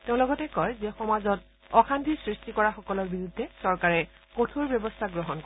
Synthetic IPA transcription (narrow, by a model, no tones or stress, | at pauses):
teʊ̃lɔɡɔtɛkɔjzɛxɔmazɔt | ɔkʰandʱiɹsɹistikɔɹaxɔkɔlɔɹbiɹudʱːɛsɔɹkaɹɛ | kotʰoɹbjɔbɔstʰaɡɹɔɦɔnkɔ